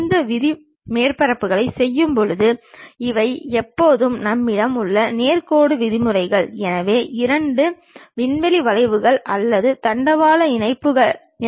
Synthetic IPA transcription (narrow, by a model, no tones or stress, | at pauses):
nd̪ɐʋɪðɪ | meːrpɐɾɐpːɯɣɐɭɐɪsɛjːɯmpɔɻɯðɯɪʋɐɪɛpːoːðɯmnɐmːɪɽɐmɯɭːɐneːrkoːɽɯʋɪðɪmɯrɐɪɣɐɭɛnɐʋeːʔɪɾɐɳɖɯ | ʋɪɳʋɛliʋɐlɐɪʋɯɣɐɭʔɐlːɐðɯt̪ɐɳɖɐʋaːlɐɪnɐɪpːɯɣɐɭ